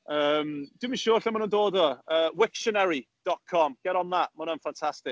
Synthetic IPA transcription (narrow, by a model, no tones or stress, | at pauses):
əːmd̥wɪmiʃʊːrɬɛmanundoːdɔəːwɪkʃənɛɾid̥ɔt̚kʰɔmɡ̥ɛɾɔnðamɔnənfantʰastɪk̚